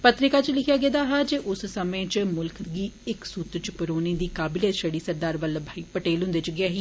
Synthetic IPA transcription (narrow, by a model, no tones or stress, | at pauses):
pət̪ɾɪkaːt͡ʃlɪkʰjaːɡeːd̪aːɦaːd͡ʒeːʔʊssəmẽːt͡ʃmʊlkʰɡiːɪksuːt̪t͡ʃpəɾoːnẽːd̪iːkaːbɪleːʃəɽiːsəɾd̪aːɾʋəlbʱaːiːpəʈeːlɦʊ̃nd̪eːt͡ʃʊɡɪaːɦiː